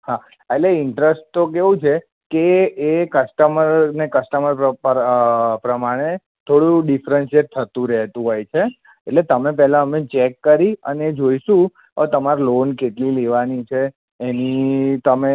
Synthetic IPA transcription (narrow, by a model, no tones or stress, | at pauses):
ha | eʈleɪɳʈɾesʈ̚t̪okeʋũt͡ʃʰe | keːkəsʈəməɾnekəsʈəməɾə | pɾəmaɽ̃e | t̪ʰoɽũɖifɾənsieʈ̚t̪ʰːət̪ũɾɛɦt̪ũɦojt͡ʃʰe | eʈlet̪əmepɛɦlaəmẽt͡ʃɛkːəɾiə̰neːd͡ʒoiʃũ | ət̪əmaɾolonkeʈlileʋanit͡ʃʰeː | nit̪əme